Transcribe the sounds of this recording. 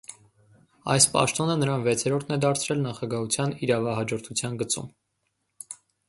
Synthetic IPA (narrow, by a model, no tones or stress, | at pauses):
ɑ̰jspɑ̰ʃt̪ɔnənəɾɑnvɛt͡sʰɛɾɔɾt̪ʰnɛd̪ɑɾt͡sʰɾɛlnɑχɑɡɑɦut͡sʰjɑniɾɑvɑɦɑd͡ʒɔɾt̪ʰut͡sʰjɑnɡət͡sṵm